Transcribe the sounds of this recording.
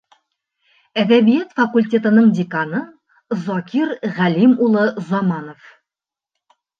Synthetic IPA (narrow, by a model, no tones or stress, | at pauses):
æðæbijæt̪fɐkulʲtʲe̞t̪ɤ̆nɤɴd̪ʲɪkanɤ | zɒkʲiɾʁælimulˠɤzɒmɑnof